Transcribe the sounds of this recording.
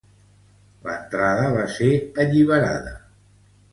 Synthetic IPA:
lə̰nt̪ɾaðəβaseəʎiβ̞əɾa̰ðə

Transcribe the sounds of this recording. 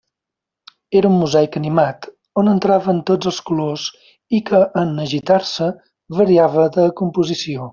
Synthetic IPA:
eɾəunmuzajkənimat̪ | onənt̪ɾaβənt̪od͡zəlˠskuloz | ikʰəʔːnəʒit̪aɾsə | βəɾiaβəðəkumpuzisio

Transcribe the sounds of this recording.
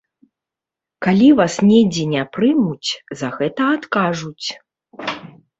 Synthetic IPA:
kalʲivasnʲɛd͡zʲinʲapɾɨmut͡sʲzɐɣɛt̪ɐːt̪kaʐut͡sʲ

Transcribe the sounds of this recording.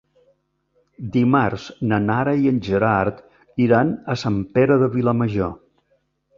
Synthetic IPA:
d̪imarz̥nənaɾəiənʲʒəɾaɾt̪ | iɾanəsampeɾəðəβiləməʒo

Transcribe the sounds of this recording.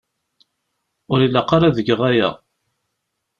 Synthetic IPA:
ʊɾilːaqaɾˤaðəɡəʁæjæ̰

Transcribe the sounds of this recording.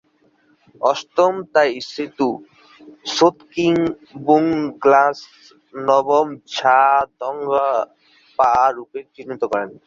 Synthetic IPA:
ɔst̪omt̪ajist̪ʰit̪u | sot̪kiŋ | buŋɡlas | nɔbomt͡ɕʰad̪ɔŋɡa | paɾupeɾt̪inːit̪okɔɾen

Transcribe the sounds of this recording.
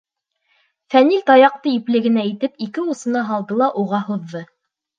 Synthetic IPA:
fænilt̪ɑjɑq̚t̪ɤiplɘ̆ɡɘ̆næit̪ɘpikɘusɤ̆nɑɦɑlˠd̪ɤlˠɑʔuʁɑhŏðːɤ

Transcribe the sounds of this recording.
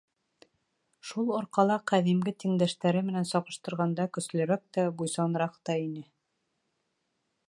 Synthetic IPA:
ʃulˠŏɾqɑlˠɑqæðimɡɘt̪ĭŋd̪æʃt̪æɾɘmɘ̆nænsɒʁɤ̆ʃt̪ɤ̆ɾʁɑnd̪ɑkɵ̆slɵ̆ɾæk̚t̪æbujsɑnɤ̆ɾɑqt̪ɑinɘ

